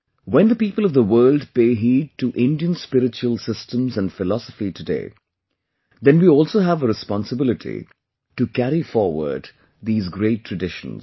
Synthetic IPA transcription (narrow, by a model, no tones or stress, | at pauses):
wɛ̃nd̪əpiːpəl̩ˠʌvðəwɜːldpeːɦiːd̚ʈuʔɪ̃nɖiə̃nspɪɾɪt͡ʃuəlˠsɪstə̃mzæ̃nɖfɪlɔsəfitʰɨdḛː | d̪ɛ̃nwiɔːlˠsoːɦævəɾɨspɑ̃nsəbɪlɪʈʰḭ | ʈukæɾifɔːɾwə̰˞ɖ | d̪iːzɡɾeɪʈʰːɹ̥əɖɪʃə̰̃nz̥